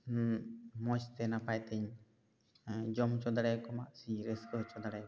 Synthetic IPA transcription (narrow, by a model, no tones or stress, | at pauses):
mɔt͡ʃt̪ɛnapajt̪ɛɲ | d͡ʒɔmt͡ʃɔd̪aɽajkɔmaʔsiɾəskəɦt͡ʃɔd̪aɽaj